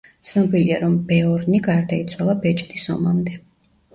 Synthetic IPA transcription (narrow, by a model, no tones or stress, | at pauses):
t̪sʰnɔbiliaɾɔmbɛɔɾniɡaɾd̪ait̪sʰwalˠabɛt͡ʃʼt̪ʼisɔ̰mamd̪ɛ